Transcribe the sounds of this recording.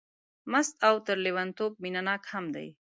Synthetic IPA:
mast̪awt̪əɾlewant̪ob̚minanɑkhamd̪a̰j

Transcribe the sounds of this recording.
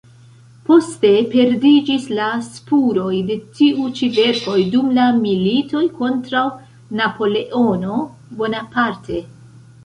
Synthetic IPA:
po̞ste̞pe̞ɾdid͡ʒislaspuɾo̞jde̞tiʔut͡ʃive̞ɾko̞jdumlamilito̞jko̞ntɾaw | napo̞le̞ʔo̞no̞ | bo̞napaɾtʰe̞

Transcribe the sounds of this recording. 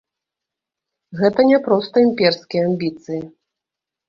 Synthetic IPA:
ɣɛt̪ɐnʲɛpɾɔst̪ɐimʲpʲɛrskʲijɛamʲbʲit̪sɨji

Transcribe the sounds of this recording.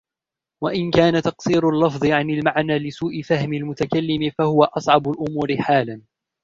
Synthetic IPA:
waʔɪnkaːnat̪ɑqsˤiːɾʊlːɑfðˤɨʕanɪlmaʕnaːlɪsuːʔɪfahmɪlmʊt̪akalːɪmɪfahʊwaʔɑsˤʕɑbʊlʔʊmuːɾɪħaːlan

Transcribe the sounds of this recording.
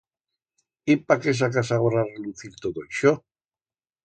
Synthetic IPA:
ipakes̬akasaɣoɾareluθiɾt̪oðoiʃo

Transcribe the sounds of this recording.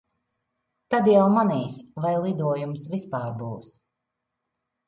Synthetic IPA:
t̪ad̪jawmanijsvajlˠid̪uɔjumsvispaːɾbuːs

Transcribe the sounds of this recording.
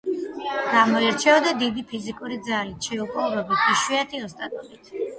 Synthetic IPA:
ɡ̥amɔiɾt͡ʃʰɛɔd̪ad̪id̪ipʰizikʼuɾid̪zalit̪ʰʃɛupʼɔvɾɔbit̪ʰiʃwiat̪ʰiɔst̪ʼat̪ʼɔlit̪ʰ

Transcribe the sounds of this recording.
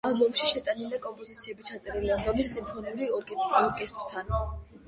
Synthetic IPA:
alˠbɔmʃiʃɛt̪ʼanilɛkʼɔmpʼɔzit̪sʰiɛbit͡ʃʰat̪sʼɛɾiliand̪ɔmisːimpʰɔnɛliɔɾkʼɛt̪ʼɔɾkʼɛst̪ʼɾt̪ʰanɔ

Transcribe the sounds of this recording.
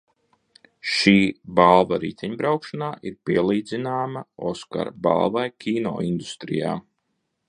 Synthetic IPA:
ʃiːbalˠvaɾiːt̪ʲɛɲbɾawkʃanaːʔiɾpiɛlˠiːd̪zinaːmaoska̰ɾba̰lˠvajkʲʰiːnɔ̰ːind̪ust̪ɾḭja̰ː

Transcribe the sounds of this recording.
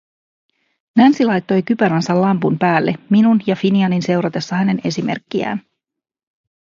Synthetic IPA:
nænsilɑjt̪ːo̞jkypæɾɑnsɑllɑmpumpæːlːe̞minunjɑfiniɑninse̞wɾɑt̪e̞sːɑhæne̞ne̞sime̞̰rkːiæ̰ːn

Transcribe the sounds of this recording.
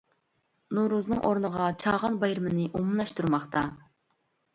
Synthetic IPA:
nuɾuznɨŋʔoɾnəʁɑt͡ʃʰɑːʁɑnbɑjɾɨmɨnɨʔumlˠɑʃt̪uɾmɑχt̪ʰɑ

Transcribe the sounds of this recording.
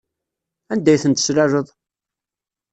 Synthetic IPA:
ænd̪æjθənt̪ə̥sɾæʒəðˤ

